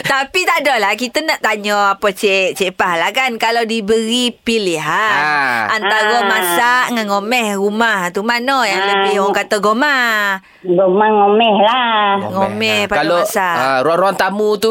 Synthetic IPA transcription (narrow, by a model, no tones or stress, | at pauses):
t̪apit̪adɔhlahkit̪ənaʔt̪aɲɔapət͡ʃɛʔt͡ʃepahlahkankalawdibəɣipiliɦa | ant̪aɾəmasaʔŋanŋomɛhrumaht̪umanojaŋləbɪhɔkat̪aɡoma | ɡomaŋomɛhlaŋomɛhpaaloasaɾuaɾuant̪amut̪u